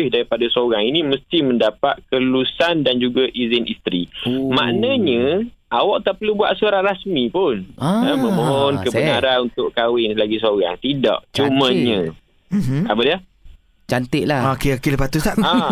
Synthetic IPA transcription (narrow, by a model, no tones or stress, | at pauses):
ɪhdaɾipadasoɾaŋinĩməst̪ɪməndapa̰t̪̚kəlusandand͡ʒuɡaʔizɪnʔist̪ɾima̰ʔnəɲə̃ | ʔawɔʔt̪aʔpəlubua̰ʔsuɾaɾasmipʊnəmə̃moɔnkəbənaɾanunt̪ʊʔkawɪnlaɡis̬oɣa̰ŋt̪idɔ̰ʔ̚t͡ʃuməɲɲə̃ | abədia | t͡ʃant̪ɪʔlahkeokiləpat̪usaʔ